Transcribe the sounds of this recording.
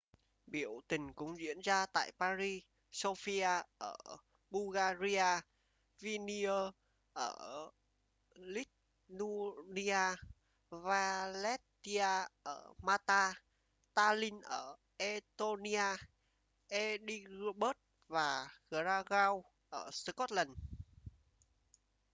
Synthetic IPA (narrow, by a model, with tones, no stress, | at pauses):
ɓi˧˩˨əwt̪ï˨˩ŋ̟kʊ˨˦ŋ͡mzḭ˧˥ənzaː˧t̪a̰ː˧˨jpaː˧zi˧ | so˧fi˧aː˧ʔəː˧˩ | ɓu˧ɣaː˧zi˧aː˧ | vi˧ni˧əː˧ | ʔəː˧˩ | li˦˥t̚ | nu˧ni˧aː˧ | vaː˧lɛ˦˥tt̪i˧aː˧ʔəː˧˩maː˧t̪aː˧ | t̪aː˧li˧nʔəː˧˩ | ʔe˧t̪o˧ni˧aː˧ | ʔe˧ɗi˧ɣɓəː˦˥t̚ | vaː˨˩ɣə˧ɾa˧ɣaː˧w | ʔəː˧˩sə˧kɔ˦˥t̚lə˨˩n